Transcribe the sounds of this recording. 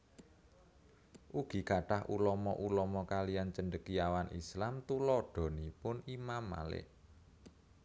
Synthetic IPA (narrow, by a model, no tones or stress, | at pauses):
ʔuɡ̥i̤kaɖ̥ahulɔmɔʔulɔmɔkalijant͡ʃənɖəkiawanʔḭslamt̪ulɔɖ̥ɔ̤nipʊnimamːa̰lɪ̰ʔ